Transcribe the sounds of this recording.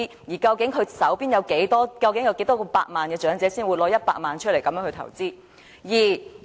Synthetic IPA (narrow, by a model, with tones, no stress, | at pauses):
jiː˨˩kɐ˧wkɪ˨˥ŋkʰɵ˧ɥsɐ˨˥wpiː˥njɐ˨˧wke˨˥jt̪ɔː˥kɐ˧wkɪ˨˥ŋjɐ˨˧wke˨˥jt̪ɔː˥kɔ˧pa̰ː˧k̚maː˨nkɛː˧t͡ʃœː˨˥ŋt͡sɛː˨˥siː˥nwuː˨˧lɔː˧jɐ˥t̚pa̰ː˧k̚maː˨nt͡ʃʰɵ˥le˨˩kɐ˨˥mjœː˨˧˥hɵ˧t̪ʰɐ̰˨˩wt͡siː˥ | jiː˨˩